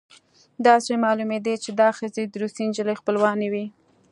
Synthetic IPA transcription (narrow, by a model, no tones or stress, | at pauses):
d̪ɑsemɑlumed̪et͡ʃed̪ɑxəzed̪ɾusind͡ʒələxpəlwɑnewi